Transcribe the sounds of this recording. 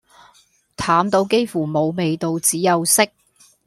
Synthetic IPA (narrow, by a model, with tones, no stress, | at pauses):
t̪ʰaː˨˥mt̪o˧wke˥jfuː˨˩mo˨˧wme˨˧jt̪o˧wt͡siː˨˥jɐ˨˧wsɪ˥k̚